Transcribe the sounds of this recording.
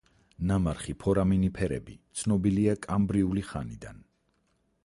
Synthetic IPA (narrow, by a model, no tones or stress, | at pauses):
namaɾχipʰɔɾaminipʰɛɾɛ̰bit̪sʰnɔbiliakʼambɾiuliχanid̪a̰n